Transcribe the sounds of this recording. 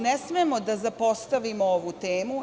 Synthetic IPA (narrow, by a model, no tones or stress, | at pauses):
nesmemod̪azapo̞st̪aʋimooʋut̪eːmu